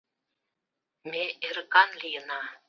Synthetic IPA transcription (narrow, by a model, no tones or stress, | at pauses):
meʔeɾkɑnlʲijə̆nɑ